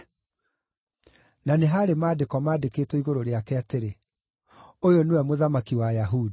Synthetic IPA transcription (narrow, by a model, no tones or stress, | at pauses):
naneɦaɾemaːdekɔmaːdeketwɔiɣoɾoɾeakɛateɾe | ojonewɛmoðamakiwajaɦudi